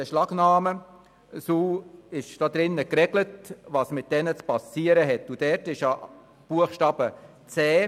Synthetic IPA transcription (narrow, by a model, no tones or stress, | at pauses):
dɛʃlɑɡnɑːmə | suːɪʃd̥ɑːd̪ɾɪnːəkrɛɡlətvɑsmɪt̚d̥ɛnət͡spɑsiːəɾəɦɛtːud̥ɛɾtɪʃjɑ | b̥uəχʃtɑːb̥ə | t͡sɛː